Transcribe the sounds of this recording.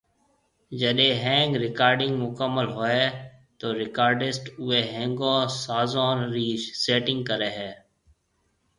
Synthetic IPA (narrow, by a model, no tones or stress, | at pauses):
d͡ʒəɗẽːɦɛ̃ːŋɡɾɪkaːɾɖɪ̃ŋɡmʊkəmːəlɦoːeː | t̪oːɾɪkaːɾɖɪsʈʊeːɦɛ̃ːŋɡõːsaːzõːnɾiːʃseːʈɪ̃ŋɡ̚kəɾeːɦɛː